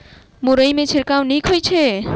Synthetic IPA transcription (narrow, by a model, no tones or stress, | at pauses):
moɾəjmẽt͡ʃʰiɾkawnikʰojt͡ʃʰe